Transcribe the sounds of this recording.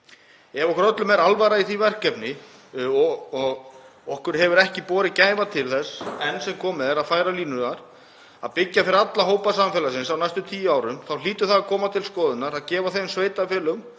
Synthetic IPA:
ɛvɔkɾœt̪lʏmɛɾalvaɾaiθivɛr̥cɛpnɪ | ɔɔɣɔhkʏɾɦɛvʏɾɛhcɪpɔːɾɪcaːjvat̪ʰɪlθɛsːɛnːsɛmkʰɔːmɪðɾaðfaːjɾaliːnʏnaɾ̥ | a̰ðpɪcːafɪɾɪɾat̪laɦoːwpasamfɛːlasɪnsawnajst̪ʏmt̪ʰiːjʏaːwɾʏmθawliːt̪ʏθaðakʰɔːmat̪ʰɪlskɔːðʏnaɾaðcɛːvaθejmsveːjt̪afɛːlʏm

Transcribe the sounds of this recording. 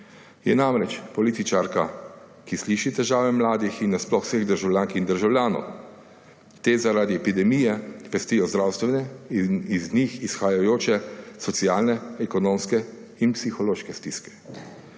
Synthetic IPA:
jɛ̰namɾɛt͡ʃpɔlit̪it͡ʃaɾka | kisliʃit̪ɛʒaːʋɛmlaːd̪ixinːɛsplɔxseɣd̪əɾʒawljaŋkind̪əɾʒawljaːnɔ̰w | t̪eːzaɾaːd̪iɛpid̪ɛmiːjɛʋɛst̪ijɔzd̪ɾawst̪ʋɛnɛiznixisxajajoːt͡ʃɛsɔt̪siaːlnɛɛkɔnoːmskɛ | inpsixɔloːʃkɛst̪iskɛ̥

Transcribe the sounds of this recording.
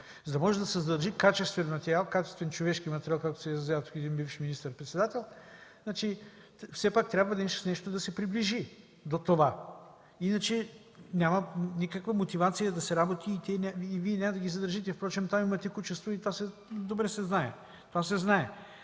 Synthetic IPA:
zɐd̪ɐmɔʒɛd̪ɐsɛzɐd̪əɾʒikat͡ʃɛst̪vɛnmɐt̪ɛɾʲialˠkat͡ʃɛ̥st̪vɛnt͡ʃovɛʃk̟imɐt̪ɛɾialˠkakt̪o̥sɛzzat̪ukɛd̪inbifʃminist̪əɾpɾɛt̪sɛd̪at̪ɛlˠznat͡ʃi | fsɛpak̚t̪ɾʲabvəd̪ɐnɛʃt̪o̥snɛʃt̪od̪ɐsɛpɾibliʒi | d̪ot̪ova | inɐt͡ʃɛ | nʲamɐnikəkvəmot̪ivat̪sijəd̪ɐsɛɾabot̪ʰiːt̪ʲɛnʲaːviɛnʲaməd̪ɐɡʲizɐd̪əɾʒit̪ɛfpɾɔt͡ʃɛmt̪amimɐt̪ɛkut͡ʃɛst̪voit̪ovasɛ | d̪obɾɛsɛznaɛ | t̪ovasɛznaɛ

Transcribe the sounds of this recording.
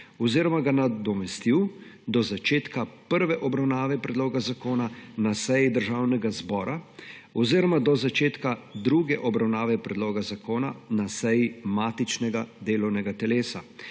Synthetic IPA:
ɔziːɾɔmaɡanad̪ɔmɛst̪iw | d̪ɔzat͡ʃeːt̪kapəɾʋɛʔɔbɾawnaːʋɛpɾɛd̪loːɡazakoːnanasɛjid̪əɾʒaːwnɛɡazbɔːɾaɔziɾɔmad̪ɔzat͡ʃeːt̪kad̪ɾuːɡɛʔɔbɾawnaːʋɛpɾɛd̪loːɡazakʰoːnanasɛjimaːt̪it͡ʃnɛɡad̪eːlɔwnɛɡat̪ɛleːsa

